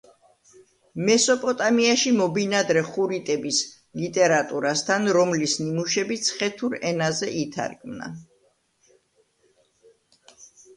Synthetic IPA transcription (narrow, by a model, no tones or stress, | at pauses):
mɛsɔpʼɔt̪ʼamiaʃimɔbinad̪ɾɛχuɾit̪ʼɛbis | lit̪ʼɛɾat̪ʼuɾast̪ʰanɾɔmlisnimuʃɛbit̪sʰχɛt̪ʰuɾɛnazɛʔit̪ʰa̰ɾkʼmna̰